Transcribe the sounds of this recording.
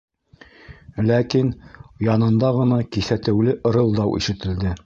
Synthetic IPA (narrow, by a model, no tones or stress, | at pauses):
lækinjɑnɤ̆nd̪ɑʁɤ̆nɑkiθæt̪ɘ̆wlɘʔɤ̆ɾɤ̆lˠd̪ɑwʔḭʃɘ̆t̪ɘ̆ld̪ɘ